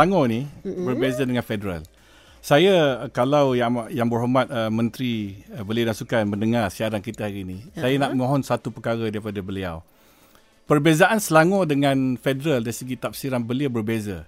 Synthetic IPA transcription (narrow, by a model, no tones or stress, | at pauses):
aŋɔ̃nibərbezadəŋanfedəɾa̰l | sajakalawjajaŋbərhomat̪̚əmə̃nt̪ɾibəliadansukanməndəŋarsiaɾaŋkit̪əɦaɾinisajanaʔməŋõɦɔnsat̪upəkaɾadaɾipadabəlia̰w | pərbezaʔansəlaŋɔ̃dəŋãnfedəɾaldaɾisəɡit̪ap̚siɾanbəliabərbezə